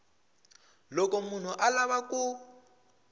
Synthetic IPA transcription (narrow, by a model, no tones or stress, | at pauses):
lɔkɔmun̤uʔalaβakʊ